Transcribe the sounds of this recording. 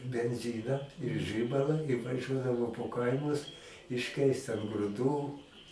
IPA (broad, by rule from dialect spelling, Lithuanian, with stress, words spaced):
bʲɛnʲˈzʲɪnɑː ɪr ˈʒʲɪbɐlˠɐ ɪ ʋɐˈʒʲuɔdɐʋoː poː ˈkɐɪmʊs ɪʃʲˈkʲɛɪst ɐn ɡrʊˈduː